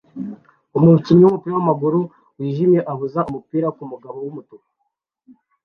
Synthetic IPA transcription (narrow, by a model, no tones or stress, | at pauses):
umutimɲumupiːɾawamaɡuɾu | wiːʒimje̞ʔaβuzaʔumupiːɾakumuɡaβo̞wumutuka